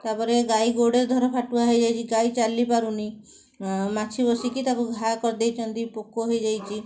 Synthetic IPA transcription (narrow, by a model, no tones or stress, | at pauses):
t̪aɾpɔɾeɡajɡoɽeɾd̪ʱɔɾɔpʰaʈuaɦejd͡ʒajt͡ʃʰiɡajt͡ʃalːipaɾuni | mat͡ʃʰibɔsikit̪akuɡʱajkɔɾd̪ejt͡ʃʰɔnt̪ipokːoɦojd͡ʒajt͡ʃʰi